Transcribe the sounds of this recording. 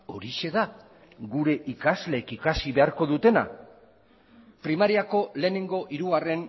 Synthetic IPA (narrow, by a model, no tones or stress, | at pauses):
o̞ɾiʃe̞ða | ɡuɾe̞ʔikazle̞ːkikasiβe̞aɾko̞ðut̪e̞na̰ | pɾimaɾiako̞le̞ːne̞ŋɡo̞ʔiɾuɣare̞n